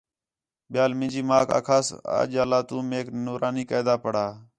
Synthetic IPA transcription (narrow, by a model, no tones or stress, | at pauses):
ɓɪjaːlmɪ̃nd͡ʒiːmaːka̰ːkʰaːsa̰ːd͡ʒaːlaːt̪ũːmeːknuːɾʔaːniːkəːd̪aːpəɽaː